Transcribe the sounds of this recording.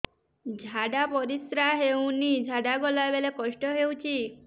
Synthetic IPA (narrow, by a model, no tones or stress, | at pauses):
d͡ʒʱaɽapɔɾisɾaɦew̃nid͡ʒʱaɽaɡɔlabelekɔʃʈɔɦewt͡ʃʰi